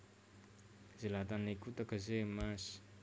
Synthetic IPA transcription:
zelat̪anekut̪akəzemasi̥

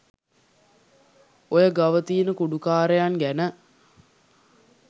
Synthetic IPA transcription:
ojəɡaʋət̪iːnəkuɖukaːɾejaŋɡænə

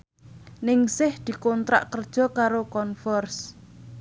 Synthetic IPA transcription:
nɪŋsɪhd̪̥i̤kont̪ɾa̰ʔkərd̥ʒ̥ɔ̤kaɾokɔnfɔrs

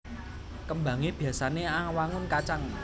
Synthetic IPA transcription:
kəmbä̤ŋeb̥i̤a̤saneawaŋʊnkat͡ʃaŋ

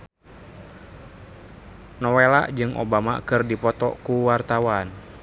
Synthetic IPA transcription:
nɔwela̰ʔd͡ʒɨŋʔo̰bama̰kɨrdipɔt̪ɔ̰kuwart̪awan

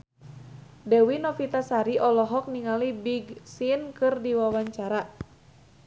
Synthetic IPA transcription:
dɛwinɔfit̪asaɾiʔɔlɔɦɔk̚niŋalibiɡsinkɨrdiwawaɲt͡ʃaɾa

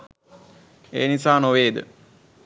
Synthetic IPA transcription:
ḛːnisaːnoʋeːd̪ə̰

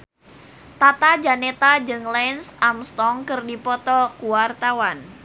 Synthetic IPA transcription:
t̪at̪ad͡ʒanet̪ad͡ʒɨŋlɛnsamst̪ɔŋkɨrdipɔt̪ɔkuwart̪awan

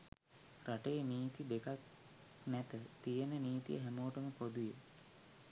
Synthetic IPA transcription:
raʈejniːt̪id̪ekak | næt̪ət̪ijənəniːt̪ḭjə̰ɦæmoːʈəməpod̪uje

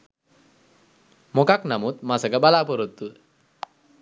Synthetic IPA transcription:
mokaknamuːt̪masəɡabalapəɾət̪ːu

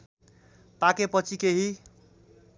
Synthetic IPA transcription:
pakepʌt͡sʰikeɦi

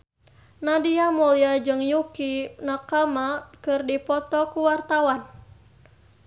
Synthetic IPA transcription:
nadiamuliad͡ʒɨŋjukinakamakɨrdipɔt̪ɔkuwart̪awan

